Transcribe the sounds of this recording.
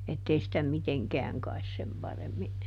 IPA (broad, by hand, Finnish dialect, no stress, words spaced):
etːei sitæ miteŋkɛæŋ kɑis sem pɑremːi